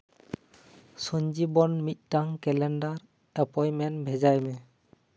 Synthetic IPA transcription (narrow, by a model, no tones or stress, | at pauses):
sɔɲd͡ʒibɔnmit̪̚ˀtaŋkɛlɛndaɾ | ɛpɔjmɛnbʱɛd͡ʒajmɛ